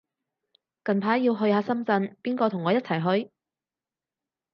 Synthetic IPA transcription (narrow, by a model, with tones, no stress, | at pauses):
kɐ˨npʰaː˨˥jiː˧wɦɵ˧ɥhaː˨˧sɐ˥mt͡sɐ˧npiː˥nkɔː˧t̪ʰʊ˨˩ŋːɔː˨˧jɐ˥t̚t͡sʰɐ˨˩jɦɵ˧ɥ